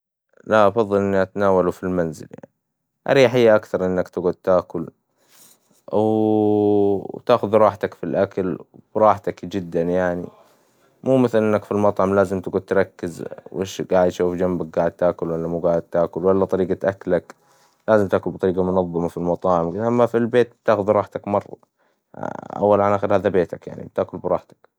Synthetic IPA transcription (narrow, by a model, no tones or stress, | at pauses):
laʔɑfɑðˤːɨlʔɪnːiʔat̪anaːwalufilmanzɪ̰lja̰ʕni | ʔa̰ɾiːħɪjːaʔakθɑɾˤʔɪnːakt̪ɪɡud̪̚t̪aːkʊl | w | t̪aːxʊðɾˤɑːħt̪akfilʔakalbɾˤɑːħt̪akd͡ʒɪd̪ːanjaʕnḭ | muːmɪθɪlʔɪnːakfilmɑt̪ˤʕɑmlaːzɪmt̪ɪɡud̪̚t̪ɾˤɑkːɪzwʔḛːʃɡaːʕɪd̪ʃuːfd͡ʒambak̚ɡaːʕɪd̪̚t̪aːkʊlwalːamuːɡaːʕɪd̪̚t̪aːkʊlwalːat̪ˤɑɾiːɡat̪ʔaklak | laːzɪmt̪aːkʊlbt̪ˤɑɾiːɡamʊnɑðˤːɑmafilmɑt̪ˤɑːʕɪmkʔamːafilbeːt̪̚b̚t̪aːxʊðɾˤɑːħt̪akmɑrˤːɑ̰ | ʔa̰wːalʕanʔaːxɪɾhaːðabeːt̪akja̰ʕnḭb̚t̪aːkʊlbɾˤɑːħt̪ḁk